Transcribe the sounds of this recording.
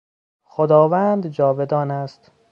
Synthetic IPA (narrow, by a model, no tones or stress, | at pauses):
xod̪ɒːvæːnd̪d͡ʒɒːved̪ɒːnæst̪